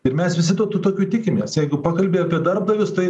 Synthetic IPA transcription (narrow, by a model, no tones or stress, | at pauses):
ɪɾmʲɛsʋʲɪsʲɪd̪oːt̪ut̪oːkʲuːt̪ʲɪkʲɪmʲeːsjɛɪɡʊpɑːkɐlʲbʲeːɐpʲiɛd̪ɐrp̚d̪ɐʋʲʊst̪ɐɪ